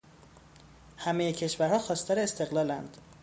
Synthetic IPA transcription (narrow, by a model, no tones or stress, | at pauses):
hæmejecʰe̞ʃvæɾhɒːxɒːst̪ʰɒɾeːst̪e̞ɣlɒːlænd̪̥